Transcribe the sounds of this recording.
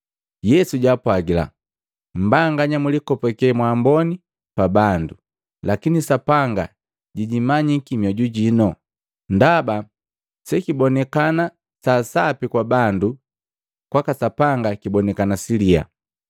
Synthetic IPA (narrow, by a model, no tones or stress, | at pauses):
jɛsuɟaːpwaɡila̰ | m̩baŋɡaɲamulikɔpɛkɛmwaːmbɔni | pabandu | lakinisapaŋɡa̰ | ɟiɟimaɲikimjɔɟuɟinɔ | ndaba | sɛkibɔnɛkana | sasapikwabandu | kwakasapaŋɡakibɔnɛkanasilia̰